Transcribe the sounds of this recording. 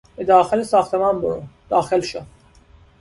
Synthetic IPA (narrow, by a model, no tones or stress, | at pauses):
bed̪ɒːxelesɒːxt̪ʰemɑːnboɾṵd̪̥ɒːxelʃo